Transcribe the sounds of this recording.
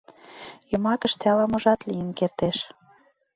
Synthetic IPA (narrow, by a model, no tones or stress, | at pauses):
jŏmɑkə̆ʃt̪ælɑmoʒɑt̪lijənkert̪eʃ